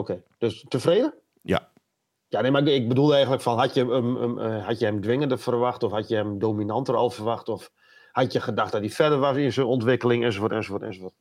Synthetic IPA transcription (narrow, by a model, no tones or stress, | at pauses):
okʰeːd̥østəfreːdə | ja̰ | janemaɪk̚bədulˠdəɛjɣən̩ləkfɔnɦatjəəmə̰ɦatjəhɛmdʋɪŋəndəfərʋaxtɔfhatjəhɛmdoːminantərɔ̰lˠfərʋaxtɔf | hatjəxədaxt̚dɔt̚difɛdərʋasinsonɔntʋɪkəlɪŋɛnsofotɛnsofotɛ̰nsoʋot